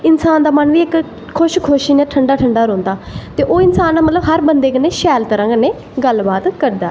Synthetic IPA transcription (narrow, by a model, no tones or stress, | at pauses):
ɪnsaːnd̪aːmənʋiːɪk | kʰʊʃkʰʊʃiːnẽːʈʰəɳɖaːʈʰəɳɖaːɾõːnd̪aːt̪eːʔoːɪnsaːnːaːmət̪ləbɦəɾbənd̪eːkəneːʃɛːlt̪əɾə̃ːɡəneː | ɡəlbaːt̪kəɾd̪aː